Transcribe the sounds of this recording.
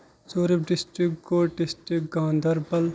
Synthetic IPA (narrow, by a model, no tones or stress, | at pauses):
t͡ʃoːɾipɖisʈɾikɡoːʈɖisʈɾikɡãːnd̪ɐɾbɐl